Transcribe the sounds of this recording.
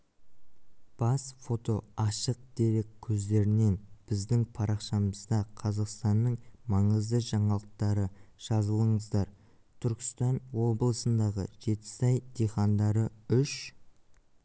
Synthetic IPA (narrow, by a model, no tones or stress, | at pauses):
b̥ɑsfo̞t̪o̞ɑʃəq̚d̪̥e̞ɾekʲʰːɵzd̪e̞ɾɪne̞nb̥ɪzd̪ɪŋpʰɑɾʔɑqʃɑməzd̪ɑqʰɑzɑqst̪ɑnːəɴmɑɴəzd̪əʒɑɴɑlˠəq̚t̪ɑɾəʒ̥ɑzəlˠəɴəzd̪ɑɾ | t̪ʰʏɾkʲɪ̥st̪ɑnwo̞blˠəsənd̪ɑʁə̰ʒe̞t̪ɪ̥sɑjd̪̥eχɑnd̪ɑɾəʏʃ